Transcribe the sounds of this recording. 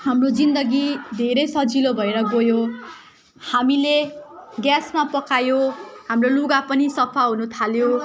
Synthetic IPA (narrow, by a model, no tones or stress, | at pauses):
hamrod͡zind̪ʌɡid̪ʱeɾʌjsʌd͡zilobʱʌeɾʌɡojo | hamileɡjasmapʌkajohamroluɡapʌnisʌpʰaɦunut̪ʰaljo